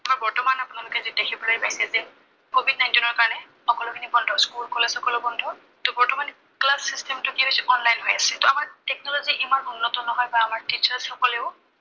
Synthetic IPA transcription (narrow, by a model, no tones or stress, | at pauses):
aɹbɔɹtɔmanapʊnalʊkɛzidekʰibɔlajpajsɛzɛ | kobid̚naj̃ntinɔɹkaɹɔnɛ | xɔkɔlʊkʰinibɔndʱɔskulkɔlesɔkɔlɔbɔndʱʊ | tɔbɔɹtɔman | klasːistɛmtʊkiɦosɛɔnlajnɦojasɛtɔamaɹtɛk̚nɔloziʔimanunːɔtɔnɔɦɔjbaːmaɹtit͡ʃaɹsɔkɔleʊ